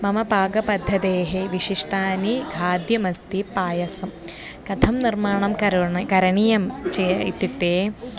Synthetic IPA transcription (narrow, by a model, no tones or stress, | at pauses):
mɐmɐbʱaːɡɐpɐd̪ʱːɐd̪eːɦeʋiʂiʂʈaːniɡʱaːd̪jɐmɐst̪ipaːjɐsɐm | kɐt̪ʰɐmnirmaːɳɐmɐkɐɾɐɳijɐmt͡ʃeɐḭt̪ːit̪ːeː